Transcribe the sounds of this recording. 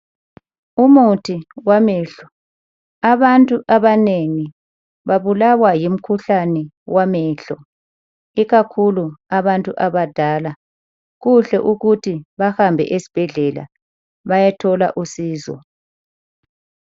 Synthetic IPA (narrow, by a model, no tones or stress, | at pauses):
umutʰiwamɛːɬɔ | aβantʼuʔaβaneŋi | βaβulawajim̩kʰuɬanɛ | wamɛɬɔ | iɣakʰuluaβantʼuʔaβad̥ʱaːla | ɣuɬɛʔuɣutʰiβahambʱɛ̰ʔesi̥b̥ʱɛɮɛla̰ | βajatʰɔla̰ʔusiːzɔ̰